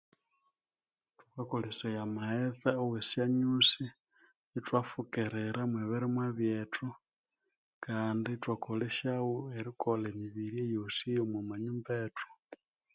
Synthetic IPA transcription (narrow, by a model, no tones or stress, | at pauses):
tkakolisojamaheθaowesjaɲusiː | twafukeɾeɾamweβiɾimwaβjetu | kaːnditwakoleʃawueɾikolemiβiɾiejosijomwumaɲumbetu̥